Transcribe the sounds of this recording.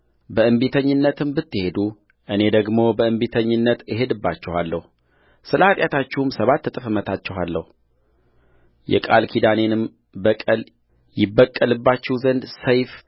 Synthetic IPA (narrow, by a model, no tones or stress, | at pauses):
bəɨmbit̪ʰəɲːɨnːət̪ʰɨmbɨt̪ːɨhe̞d̪u | ʔɨne̞d̪əɡmo̞bəɨmbit̪ʰəɲːɨnːət̪jɪɦe̞d̪ɨbːat͡ʃːɛhalːəhu | sɨləat̪ʼjat̪ʰat͡ʃːɪhumsəβat̪ːət̪ʼɨfɨmət̪ʰat͡ʃːɛɦalːəhu | jɛ̰kʼalkʰid̪ane̞nɨm | bəkʼəl | jɪbːəkʼːəlɨbːat͡ʃːɛwzənd̪səjf